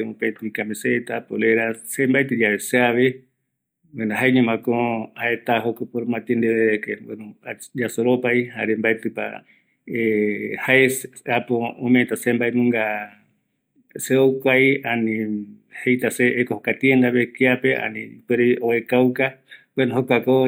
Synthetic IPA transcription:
upet̪uikamĩset̪apoleɾasembaet̪ɨd͡ʒaβeseaβe | wenaɦaeɲẽmãkõhaet̪aɦokopoɾmãt̪iend̪eβeekewenũad͡ʒasoɾopaihaɾembaet̪ɨpa̰ | ehaesapoõmẽt̪asembaenũŋɡa | seowkʷajanĩ | hejt̪aseːkohokat̪iend̪aβekeapeʔa̰nĩpeɾeoekawkawenõɦokʷako

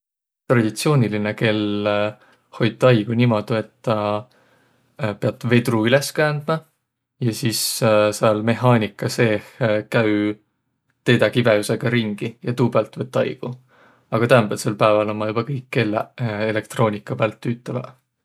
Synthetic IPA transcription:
t̪rɑd̪̥it̪sio̞ːnʲilineke̞l | ho̞jd̪̚ːɑjɡ̥unimo̞d̪̥ue̞t̪ːɑ | peɑt̪ːˑve̞d̪ruyleskæːnd̪̥mɑ | jɑsiːsseɑlme̞ɦɑːnʲikːˑɑse̞ːhkæy | t̪e̞jd̪ɑkivejuse̞ɡ̥ɑɾiŋɡ̥ijɑt̪uːb̥ælt̪ːˑvɤt̪ːɑjɡ̥u | ɑɡ̥ɑt̪æːmbelselpæevɑlonmːɑjub̥ɑkɤjkːeleele̞k̚t̪ro̞ːnʲikːˑɑpæːlt̪ːyːt̪ːˑɑvɑ̰

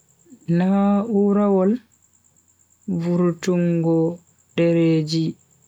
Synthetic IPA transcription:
nauɾawɔl | vuɾtuŋɡɔ | dɛɾeːd͡ʒi

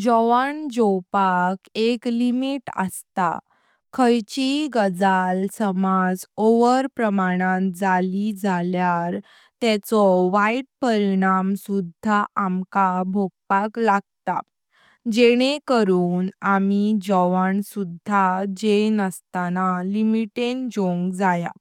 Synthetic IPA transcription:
d͡ʑɔʋaɳd͡ʑɔwpakeklimiʈə̰st̪a̰ | kʰəjt͡ɕiɡəd͡zalsəmad͡zoʋəɾpɾəmaɽ̃ãd͡zalid͡zʱaljaɾ | t̪ɛt͡sɔʋajʈ̚pəɾiɽ̃amsud̪ʱaʔamkabʱoɡ̚paklaɡ̚t̪a̰ | d͡ʑeɽ̃ekəɾuːnamid͡ʑɔʋaɳsud̪ʱːad͡ʑenəst̪analimiʈend͡ʑõŋɡd͡zaja̰

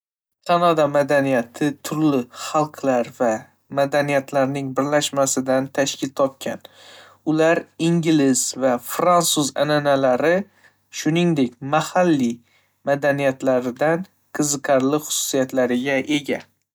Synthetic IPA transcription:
kʰanad̪amad̪anijat̪ʰɪt̪ʰʊɾlɪχɑlˠqʰlaɾva | mad̪anijat̪ʰlaɾnɪŋbɪɾlaʃmasɪd̪ant̪ʰaʃkʲʰɪlt̪ʰɒp̚kʲʰa̰n | ʊlaɾɪŋɡʲlɪz̥vafɾant̪suza̰nanalaɾɪ | ʃʊnɪŋd̪e̞kʲmahalːi | mad̪anijat̪laɾɪd̪an | qʰɨzɨqʰɑɾlɪχʊ̥sʊ̥sijat̪laɾɪɡʲaʔe̞ɡʲa

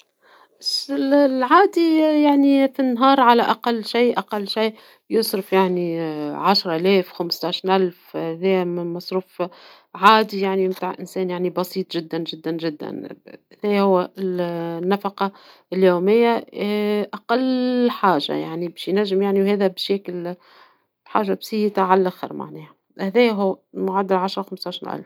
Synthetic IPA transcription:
bæsɪllʕaːd̪ijaʕnifinːɦɑːɾˤʕalæʔaqɑlːʃiːʔaqɑlːʃiː | jʊsˤɾɪfjaʕniʕaʃɾˤɑʔælɛːfxamst̪aːʃnʔalfhhɛðɛjmɪnmɑsˤɾuːf | ʕaːd̪ijaʕnimt̪aʕʔɪnsɛːnjaʕnibɑsiːt̪ˤʒɪd̪ːænʒɪd̪ːanʒɪd̪ːæ̰nhæðɛːjhʊwːæ | nːafɑqɑ | ljuːmɪjːa | ʔaqɑlːħaːʒa̰ja̰ʕnibɛːʃjnæʒːɪmjaʕniwhɛːðæbʃækɪl | bħa̰ːʒːabsihit̪aʕalʔæxɑ̰ɾˤma̰ʕnɛːha | hæðɛːjɦʊwːmʊʕad̪ːɪlʕaʃɾˤɑwxamst̪ˤaːʃnʔæ̰lf

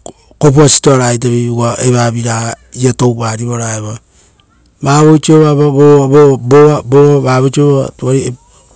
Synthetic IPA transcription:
kopuasi̥toaɾaejt̬aβiɡaʔeβaβiɾaiato̞wβaɾiβoɾaeβa | βaːβojt͡ʃioβaβaβoβoboβaboβaβaːβot͡ʃioββa̰tuaɾie

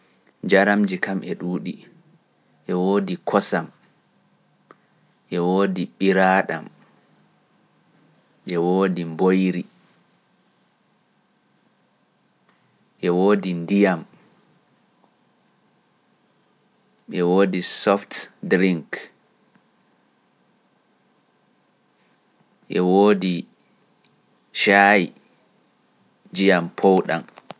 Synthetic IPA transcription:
d͡ʒaɾamd͡ʒikamʔɛɗuːɗi | ʔɛwoːdikʰɔsam | ʔɛwoːdiɓiɾaɗa̰m | ɓɛwoːdimbojɾi | ʔɛwoːdindijam | ɓɛwoːdisɔftdɾiŋk | ɓɛwoːdi | ʃaji | d͡ʒijampʰowɗa̰m

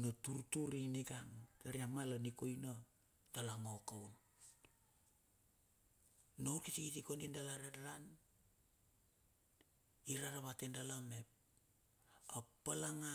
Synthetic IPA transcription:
notuɾtuɾiniɡaŋtaɾiamalaniko̞jna | d̥alaŋokawn | nowɾkitikitikonindalaɾadaɾan | iɾaɾaβatendalame̞p̚ | apalaŋa

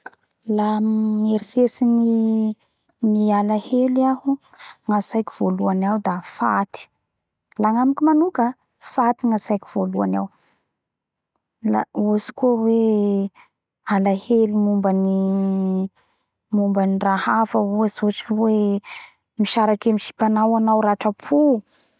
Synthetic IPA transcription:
lammeɾisesini | nialaheliaɦu | ŋasajkiv̥oluanawd̪afat̪i̥ | laŋamikimanukə | fat̪iŋasajki̥v̥olua̰naw | laosi̥kuəwe | alahelimumbani | mumbənirahafəuazuʈ͡ʂwe | miʃaɾakemiʃi̥panawanawɾaʈ͡ʂəpʰu

